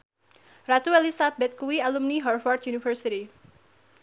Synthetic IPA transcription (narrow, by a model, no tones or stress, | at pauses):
rat̪uɛlisabɛt̪̚kuwialumniɦɔrfɔrt̪̚junifərsiɾi